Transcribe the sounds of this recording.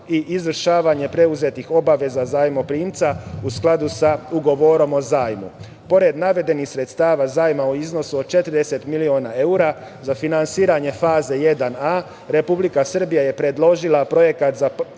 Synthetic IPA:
iʔizʋər̩ʃaːʋaɲe̞pɾe̞uze̞t̪ixo̞baʋe̞zazaːjmo̞pɾiːmt̪sausklˠad̪usauɡo̞ʋo̞ɾo̞mo̞zaːjmṵ | po̞ɾe̞d̪naʋe̞d̪e̞nixsɾe̞t̪st̪aːʋazaːjmaoizno̞suod̪̚t͡ʃe̞t̪rɾd̪e̞se̞t̪milioːnaeuɾa | zafinansiːɾaɲe̞faːze̞je̞d̪ana | ɾe̞publikasər̩bijaje̞pɾe̞d̪lo̞ʒilˠapɾo̞je̞kat̪za

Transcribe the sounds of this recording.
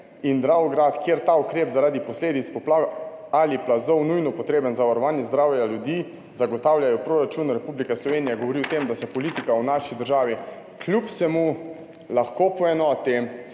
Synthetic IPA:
ind̪ɾawɡɾat̪kjeɾt̪aukɾeːpzaɾaːd̪ipɔsleːd̪it̪spɔplaɡaliplazɔwnujnɔpɔt̪ɾeːbənzaʋaɾɔʋaːnjɛzd̪ɾaːwjaljud̪iː | zaɡɔt̪aːwljʲajɔpɾoːɾat͡ʃunɾɛpublikɛslɔʋeːnijɛɡɔʋɔɾiɔt̪emd̪asɛpɔliːt̪ikawnaʃid̪əɾʒaːʋi | kʰlʲupsɛmu | laxkopɔɛnɔːt̪i

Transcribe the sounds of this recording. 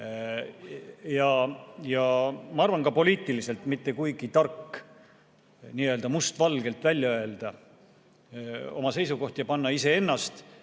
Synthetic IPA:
jɑjɑmɑɑrvɑnkɑpo̞liːt̪ːˑilise̞lt̪mit̪ːe̞kujɡ̥it̪ɑrkː | niːø̞ld̪ɑmust̪vɑlɡ̥e̞lt̪ˑvælʲjɑø̞e̞ld̪̥ɑ | o̞̰mɑse̞js̬uko̞ht̪jɑpɑnːɑise̞e̞nːɑst̪

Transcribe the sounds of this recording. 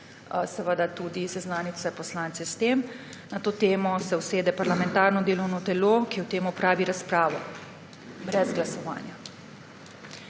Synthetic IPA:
sɛʋəd̪at̪uːd̪isɛznaːnit̪sɛpɔslaːnt̪sɛst̪em | nat̪oːt̪eːmɔsɛwseːd̪ɛpaɾlamɛ̃nt̪aːɾnɔd̪eːlɔwnɔt̪ɛloːkiɔwt̪eːmupɾaːʋiɾaspɾaːʋɔ | bɾɛzɡlasɔʋa̰ːnja

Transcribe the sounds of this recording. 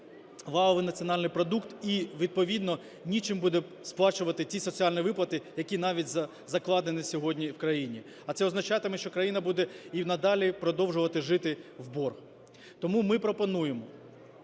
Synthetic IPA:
ʋɑɦɔʋɪnɐt͡sʲijɔnɑlʲnɪjpɾɔd̪ukt̪iʋʲid̪̚pɔʋʲid̪nɔ | nʲit͡ʃɪmbud̪ɛsplˠɑt͡ʃʊʋɐt̪ɪtʲisɔt͡sʲiɑlʲniʋɪplˠɐt̪ɪjɐkʲinɑʋʲitʲz | zɐklˠɑd̪enɪsʲɔɦɔdʲnʲiwkɾɐjinʲi | ɐt̪sɛɔznɐt͡ʃɑt̪ɪmɛʃt͡ʃɔkɾɐjinɐbud̪ɛinɐd̪ɑlʲipɾɔd̪ɔwʒʊʋɐt̪ɪʒɪt̪ɪwbɔrx | t̪ɔmumɪpɾɔpɔnujemɔ

